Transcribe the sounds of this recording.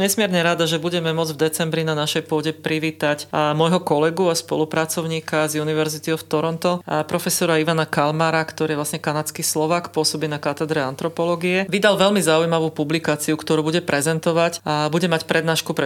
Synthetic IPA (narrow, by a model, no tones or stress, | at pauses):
ɲɛsmɪɛɾɲɛɾad̪aʒɛbuɟɛmɛmʊɔd͡zvd̪ɛt͡sɛmbɾinanaʃɛjpʊɔɟɛpɾiʋiːt̪acmɔjɦɔkɔlɛɡuaspɔ̰lupɾat͡sɔʊɲiːkazuniʋɛɾzit̪iɔft̪ɔɾɔnt̪ɔpɾɔfɛsɔɾaiʋanakalmaɾakt̪ɔɾiːʋlasɲɛkanat͡skislɔʋaːkpʊɔsɔbinakat̪ɛd̪ɾɛant̪ɾɔpɔlɔɡiɛʋid̪alʋɛʎmizaujmaʋuːpublikaːt͡siukt̪ɔɾuːbuɟɛpɾɛzɛnt̪ɔʋacabuɟɛmacpɾɛd̪naːʃkupɾɛ